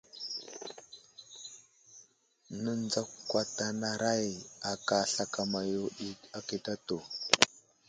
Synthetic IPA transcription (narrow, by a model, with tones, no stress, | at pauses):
nə˦nd͡za˦kkːwa˦ta˦na˨ɾa˦ja˨ka˨ɬa˨ka˨ma˨jo˦i˦a˦ki˦ta˦to˨